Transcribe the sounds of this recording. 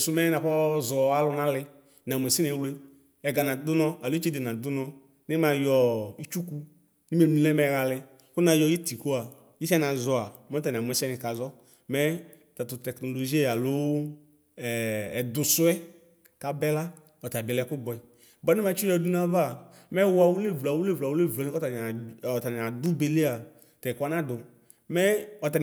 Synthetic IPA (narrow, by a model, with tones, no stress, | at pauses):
su˨˦mɛ˦na˨kɔ˦zɔ˨a˦lʊ˧na˦lɪ˧ | na˨mʷ˨ɛ˨si˦nɛ˧˨wle˧ | ɛ˨ɡa˨na˨dʊ˦nɔ˧a˨lu˦i˦t͡ʃe˦de˨na˨dʊ˦nɔ˧ | nɪ˦ma˧jɔ˧i˦t͡ʃu˦ku˧ | ni˦me˨nu˧˨lɛ˦mɛ˧ɣa˧lɪ˧ | ku˦na˧jɔ˧˦ji˦ti˨ko˦a˨ | i˦sɛ˦na˧zɔ˧a˨mɔ˦t̬a˨n˨a˨m˨ɛ˨sɛ˦nɪ˧ka˨zɔ˦ | mɛ˦˨ | ta˨tʊ˨tɛ˨kno˨lo˨ʒi˦ɛ˨ja˨lʊ˦˨ | dʊ˨sʊ˦ɛ˦ | ka˨bɛ˦la˦ | ɔ˨ta˨bɛ˨lɛ˧˦kʊ˦bɔ˨ɛ˨ | bɔ˦ni˦mã˨˦t͡ʃɔ˦du˦na˦va˦˨ | mɛ˦wʊ˦a˨wu˦le˦˨vla˨wu˦le˦˨va˨wu˦le˦˨vɔ˨nĩ˦kta˨ɔ˨ta˨n˨a˨dʊ˦be˨le˦a˨ | ta˨kʷa˦nã˦dʊ˨ | mɛ˦ɔ˨ta˨n